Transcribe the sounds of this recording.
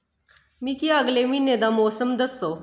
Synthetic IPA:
miːkiːəɡlemiːned̪amɔsəmd̪əso

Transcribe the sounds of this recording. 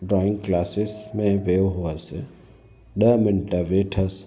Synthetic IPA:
ɖɾɔːɪ̃ŋɡklaːsɪsmẽʋeːɦuase | ɖəmɪnʈaʋeːʈʰəs

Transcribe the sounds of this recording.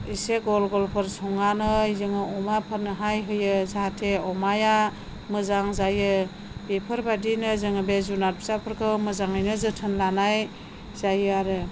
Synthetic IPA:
iseɡɔlɡɔlpʰɯɾsɔŋanɯizɯŋɯɔmapʰɯɾnɯɦajɦɯjɯzatʰeɔmaja | mɯzaŋzajɯ | b̥epʰɯɾbadinɯzɯŋɯbezunat̚pʰi̥sapʰɯɾkʰɯwmɯzaŋɯjnɯzɯtʰɯnlanaj | zajɯaɾɯ

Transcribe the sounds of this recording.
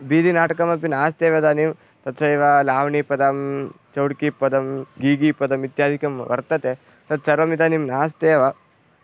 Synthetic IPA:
biːd̪inaːʈɐkɐmɐpinaːst̪eːʋɐd̪aːnim | t̪ɐt̪t͡ʃɐiʋalaːʋɳipɐd̪ɐm | t͡ʃɐwɽkipɐd̪ɐmɡiːɡipɐd̪ɐmʋit̪jaːd̪ʱikɐmʋɐ̰ɾt̪ɐt̪e | t̪ɐt̪t͡ʃɐɾʋɐmit̪ɐnimnaːst̪eːʋa

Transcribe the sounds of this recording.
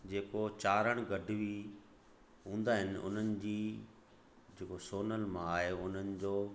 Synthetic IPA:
d͡ʑeːkot͡ɕaːɾəɽ̃ɡɐɖʱʊʋi | ɦũːn̆d̪aːɦɪnɪ̆ʊ̰n̤ənɪ̆d͡ʑiː | d͡ʑeːkosoːnəlmãaːɦeʊn̤ənɪ̆d͡ʑoː

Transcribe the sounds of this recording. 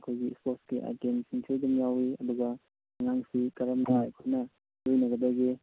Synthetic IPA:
ɐkʰojɡispoɾskiʔa̰tensiŋtʰidɐmjawiɐ̰d̪uɡɐ | ŋaŋsikɐɾɐmnajkʰonɐ | lojnɐɡɐd̪ɐɡi

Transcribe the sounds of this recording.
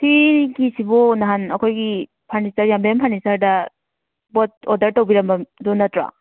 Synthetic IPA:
tʰikisibɔnaɦanɐkʰojɡi | pʰaɾnistaɾjambajampʰaɾnisaɾdɐ | bɔt̚odɐɾtɐwbiɾɐmbɐdunɐtɾa̰

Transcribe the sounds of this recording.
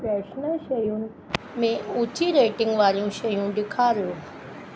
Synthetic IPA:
pɾɛɕnəɕəjũːn | mẽut͡ɕʰiɾeʈiŋɡʋaɾjũɕəjũːɖikʰaɾõ

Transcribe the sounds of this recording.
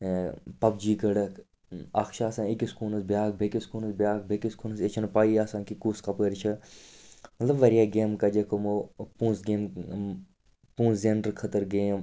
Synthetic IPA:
pɐb̚d͡ʒiːɡɐɽɐkʰ | aːkʃaːsãːikiskuːnɐsbjaːk̚bʱekiskuːnɐsbʲjaːk̚bʱekiskuːnɐset͡ʃʰɐnpaːiːaːsãːkikuːskɐpəɾt͡ʃʰɐ | mɐt̪lɐbʋɐɾijaːɡeːmkɐd͡ʒekʰomopũːsɡeːm | pũːszeɳɖəɾkʰɐt̪əɾɡeːm

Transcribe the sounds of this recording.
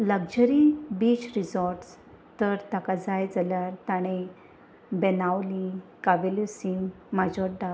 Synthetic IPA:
ləɡd͡ʑəɾibiːt͡ɕɾid͡zɔɾʈs | t̪əɾt̪akad͡zajd͡zaljaɾt̪aɽ̃ẽ | bɛnawlikaʋeljusin | mad͡ʑɔɖa

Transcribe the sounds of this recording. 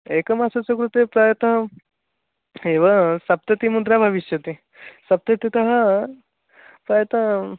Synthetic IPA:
eːkɐmaːsɐt͡sɐkɾut̪epɾaːjɐt̪ɐɦɐ | eːʋɐsɐp̚t̪ɐt̪imud̪ɾaːbʱɐʋiʃjɐt̪i | sɐp̚t̪ɐt̪it̪ɐɦɐ | pɾaːjɐt̪ɐ

